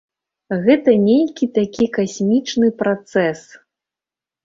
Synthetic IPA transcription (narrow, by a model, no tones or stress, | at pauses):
ɣɛt̪ɐnʲelʲkʲit̪akʲikasʲmʲit͡ʂnɨpɾat̪sɛs